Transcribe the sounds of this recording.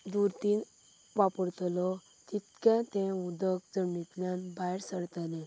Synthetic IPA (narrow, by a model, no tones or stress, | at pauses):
d̪uɾt̪iːn | ʋapəɽt̪lɔ | t̪it̪kɛ̃t̪ɛ̃ud̪əkd͡zəmːit̪ljanbaiɾsəɽt̪əlɛ̃